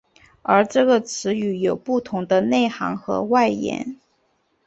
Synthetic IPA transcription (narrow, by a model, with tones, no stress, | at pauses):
ə˞˧˥ʈ͡ʂɤ˥˩ɡə˩t͡sʰɹ̩˧˥y˧˥jo˨˩ʊpu˥˩t̪ʰʊ˧˥ŋd̪ə˧ne˥˩ɪxɑ̰˧˥ŋxɤ̰˧˥wa˥˩ɪjɛ̰˧˥n